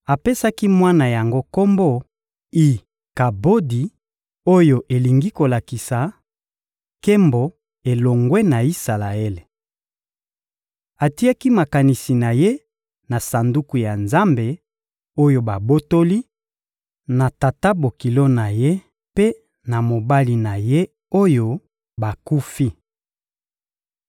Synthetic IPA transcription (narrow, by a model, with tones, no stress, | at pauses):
a˨pe˦sa˦ki˦mwa˦na˨ja˨ŋɡo˦ko˦mbo˦˨ | i˨ | ka˨bo˦di˨ | o˦jo˨ʔe˨li˨ŋɡi˦ko˨la˨ki˨sa˨ | ke˦mbo˨ | e˨lo˨ŋɡwe˦na˨i˦sa˨la˨e˦le˨ | a˨ti˦a˦ki˦ma˨ka˨ni˨si˨na˨je˦ | na˨sa˨ndu˦ku˨ja˨nza˦mbe˨ | o˦jo˨ba˨bo˦to˦li˦ | na˨ta˨ta˦bo˨ki˨lo˦na˨je˦ | pe˦ | na˨mo˨ba˦li˨na˨je˦ | o˦jo˦ | ba˨ku˦fi˦